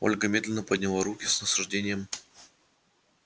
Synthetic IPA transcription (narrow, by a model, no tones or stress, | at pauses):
o̞̰lʲɡəmʲed̪lʲɪnəpədʲnʲɪlˠaɾukʲɪsnəsʊʐdʲenʲɪjəm